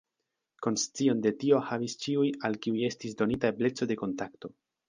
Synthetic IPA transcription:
ko̞nst͡sio̞nde̞tio̞havist͡ʃiujalkiuje̞stisdo̞nitable̞t͡so̞de̞ko̞ntakto̞

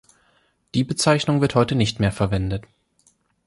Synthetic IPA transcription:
d̥iːbət͡saɪçnʊŋvɪɐthɔʏtənɪçtmeːɐfɛɐvɛndət

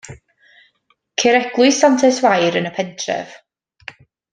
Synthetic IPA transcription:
kʰeɾɛɡ̥lˠʊɨsantʰɛswajɾənəpʰɛntʰrɛ̰v̥

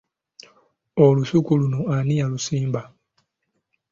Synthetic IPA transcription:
oluʃukulunoanijalusiːmba

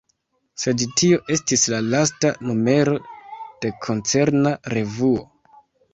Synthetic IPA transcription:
se̞dtio̞ʔe̞stislalastanume̞ɾo̞d̥e̞kʰo̞nt͡se̞ɾnaɾe̞vuo̞

